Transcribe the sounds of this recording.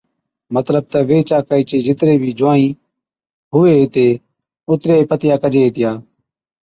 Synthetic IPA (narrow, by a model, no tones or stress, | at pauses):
mət̪ləb̚t̪ɛːʋeːt͡ʃaːkəiːt͡ʃeːd͡ʒɪt̪ɾeːbʱiːd͡ʒʊãːĩː | ɦʊʋeːt̪eː | ʊt̪ɾeːeːpət̪ɪjaːkəd͡ʒeːeːt̪ɪjaː